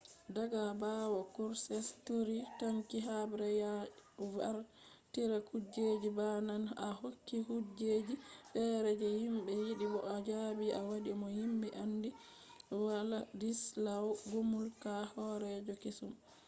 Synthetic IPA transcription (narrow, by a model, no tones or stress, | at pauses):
daɡabawɔkuɾsɛstuɾitaŋkiɦabɾɛjavaɾ | tiɾakud͡ʒed͡ʒibananahokːihud͡ʒed͡ʒifɛːɾɛd͡ʒɛhimbɛjiɗibɔʔad͡ʒabiawaɗimɔhimbɛʔandi | waladislawɡumulkahɔɾɛd͡ʒɔkisum